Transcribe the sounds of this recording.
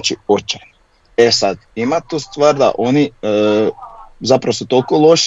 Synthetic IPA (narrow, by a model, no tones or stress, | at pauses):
t͡ʃiot͡ʃan | esad̪imat̪ust̪ʋaːɾd̪a̰ʔo̞niə | zapɾaʋosut̪olkolˠo̞ʃ